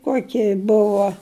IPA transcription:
ˈkuɔkʲɪ ˈbʊʋoː

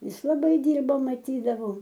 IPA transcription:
ˈjɪs lˠɐˈbɐɪ ˈdʲiːrbɐ mɐˈtʲiːdɐʋɐʊ

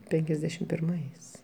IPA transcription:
ˈpʲɛŋʲkʲɛzʲdʲɛʃʲɪm pʲɪrˈmɐɪs

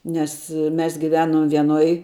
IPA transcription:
nʲɛs ˈmʲɛs ɡʲɪˈʋʲæːnoːm ʋʲiɛˈnoːj

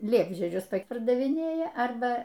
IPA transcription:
ˈlʲiɛbʲʒʲiɛd͡ʒʲʊs ˈtɐɪp pɐrdɐʋʲɪˈnʲeːjɛ ˈɐrbɐ

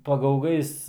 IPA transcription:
pɐɡɐʊˈɡɐɪs

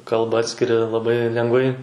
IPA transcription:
ˈkɐlˠbɑː ˈɑːtʲsʲkʲɪrʲɪ lˠɐˈbɐɪ lʲɛŋˈɡʋɐɪ

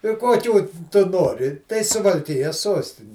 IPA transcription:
ɪ kuɔˈkʲuː ˈtʊ ˈnoːrʲɪ tɐɪ sʊʋɐlʲˈkʲɪjɛs ˈsuɔsʲtʲɪnʲɪ

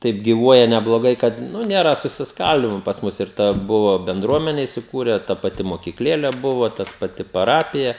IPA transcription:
ˈtɐɪp ɡʲiːˈʋuɔjɛ nʲɛblˠoːˈɡɐɪ kɐt ˈnʊ ˈnʲeːrɐ sʊsʲɪsˈkɐlʲdʲiːmoː pɐs ˈmʊs ˈɪr ˈtɐ ˈbʊʋɐ bʲɛnˈdruɔmʲɛnʲɛ ɪsʲɪˈkuːrʲɛ tɐ pɐˈtʲɪ moːkʲiːkˈlʲeːlʲɛ ˈbʊʋɐ tɐs pɐˈtʲɪ pɐˈrɑːpʲɪjɛ

